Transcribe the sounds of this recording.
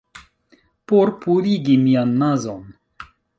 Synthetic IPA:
poɾpʰuɾiɡimijanːazon

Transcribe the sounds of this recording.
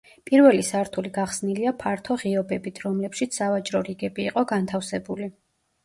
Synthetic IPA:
pʼiɾvɛlisaɾt̪ʰuliɡaχsniliapʰaɾt̪ʰɔʁiɔbɛbit̪ʰɾɔmlɛpʃit̪ssavat͡ʃʼɾɔɾiɡɛbiːqʼɔɡant̪ʰafsɛbuli

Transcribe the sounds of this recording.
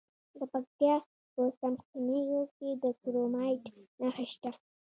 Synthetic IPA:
d̪əpak̚t̪jɑ | pəsamxinijoked̪əkɾomɑjʈnaxaʃt̪a

